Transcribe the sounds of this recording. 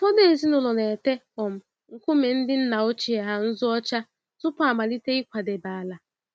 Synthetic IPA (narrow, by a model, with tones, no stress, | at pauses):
fɔ˦ne˦˨zi˦nʊ˨lɔ˨ne˨te˦ | ɔ˨m̩˦ | ŋ̩˨kʷu˦me˨n̩˦dɪ˦n̩˦na˨o˦t͡ʃi˨a˨ɦa˦n̩˦zʊ˦ɔ˦t͡ʃa˦ | zʊ˦pɔ˦a˨ma˨li˦te˦i˦kʷa˨de˨ba˨a˨la˨